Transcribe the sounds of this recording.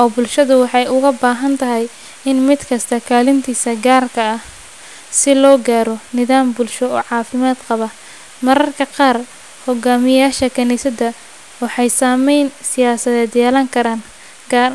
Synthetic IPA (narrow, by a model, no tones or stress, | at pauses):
ʔɔːbʊlʃɐðʊwɑħɑjʊɣɐbaːɦɐnt̪ʰɐɦɛj | ɪnmɪd̪kʰɐst̪ʰɐkʰaːlɪnt̪ʰiːsɐɡaːrkʰɐɐh | sɪlɔːɡaːɾɔnɪðaːmbʊlʃɔɔ̰ːʕɑːfɪmaːd̪qɑβɐ | mɐɾɐrkʰɐqɑːr | hɔɡaːmɪjaːʃɐkʰɐniːsɐd̪ɐ | wɑħɑjsaːmɛjnsɪjaːsɐðɛːd̪jɛːlɐŋkʰɐɾaːn | ɡa